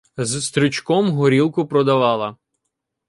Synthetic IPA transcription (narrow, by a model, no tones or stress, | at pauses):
zst̪ɾʲʊt͡ʃkɔmɦɔɾʲilˠkʊpɾɔd̪ɐʋɑlˠɐ